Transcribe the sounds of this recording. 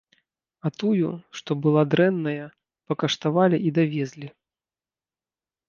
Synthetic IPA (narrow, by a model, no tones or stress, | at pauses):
ɐt̪ujuʂt̪ɔbɨlˠad̪ɾɛnːɐjɐ | pɐkɐʂt̪avalʲiʔid̪avʲɛzʲlʲi